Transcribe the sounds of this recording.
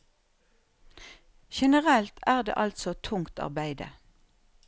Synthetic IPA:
ʃɛnəʁɛlt̪ʰæːʁd̪ḛːʔɑlt̪sɔt̪ʰʊŋt̪ɑ̰ʁbæɪd̪ə̰

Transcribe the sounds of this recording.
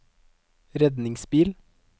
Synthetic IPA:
ɾɛd̪nɪŋsbiːl

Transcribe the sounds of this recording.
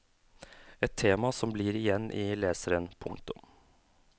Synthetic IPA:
ɛt̪ʰːeːmɑsɔmbliːɾɪjɛnːʔɪleːsəɾənpʰʊ̰ŋt̪ʊm

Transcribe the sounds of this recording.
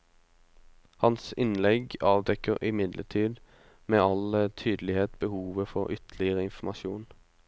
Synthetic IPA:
hɑnsɪnlɛɡɑːʋd̪ɛkəʁɪmɪd̪lʔəʈʰiːd̪ | meːɑlət̪ʰyːd̪lɪheːt̪bəhuːʋəfɔʁʏt̪ʰlɪəʁəɪnfmɑʃuːn

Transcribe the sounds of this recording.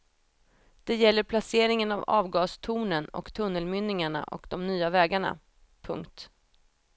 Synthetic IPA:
d̪̥ɛjɛlːəɾpʰlaseːɾɪŋənavɑːvɡɑːst̪ʰuːnənɔ̰kt̪ʰɵnːəlmʏnːɪŋaɳa̰ʔɔ̰kd̪ɔmnyːavɛːɡaɳa̰ | pʰɵ̰ŋkt̪

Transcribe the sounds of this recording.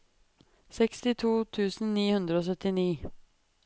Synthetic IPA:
sɛkst̪ɪt̪ʰuːt̪ʰʉːsn̩niːhʉnd̪ɾəoːs̬œt̪ɪniː

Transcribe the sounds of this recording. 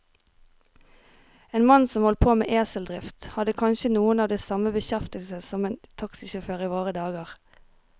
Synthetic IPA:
eːnmɑnsɔmhɔlt̪̚pʰoːmḛːʔeːsəld̪ʁɪft̪hɑd̪əkʰɑnʃənuːənɑːʋd̪eːsɑməbəçæft̪əlsəsɔmeːnt̪ʰɑksɪʃɛføːʁiːʋoːʁəd̪ɑːɡəʁ

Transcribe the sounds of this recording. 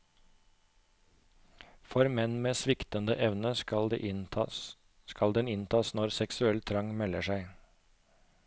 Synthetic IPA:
fɔɾmɛnmeːsʋɪkt̪ənd̪əʔɛʋnəɑd̪̰ | skɑld̪ɛnɪnt̪ʰɑːsnɔɾsɛksʉɛlt̪ʰɾɑŋmɛləʃæɪ

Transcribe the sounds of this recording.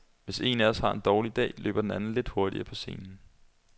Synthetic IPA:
ʋe̝se̝̰ːnæɐɒshɑ̈ːe̝nd̥ɒːlid̥ɛ̰ːlʔø̰ːb̥ɐdenænn̩le̝d̥ho̝ɐɾ̥ḭɐpʰɒ̽se̝̰ːnn̩

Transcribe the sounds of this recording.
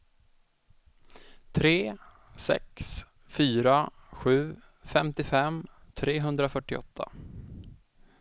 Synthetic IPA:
t̪ʰɾeː | sɛ̰ks | fyːɾaɧʉ̟ː | fɛmt̪ɪfɛmt̪ʰɾeːɦɵnd̪ɾafœʈːɪɔ̰t̪ʰːa̰

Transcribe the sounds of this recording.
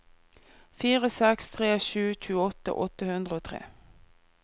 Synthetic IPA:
fiːʁəsɛkst̪ʰʁeːʃʉːc͡çʰʉːəɔt̪ə̰ʔɔt̪ːəhʉnd̪ʁəoːt̪ʰʁḛː

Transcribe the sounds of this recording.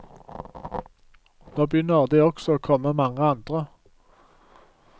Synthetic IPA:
noːbjʏnəʁd̪iːɔksɔoːkʰɔməmɑŋəɑnd̪̥ʁə

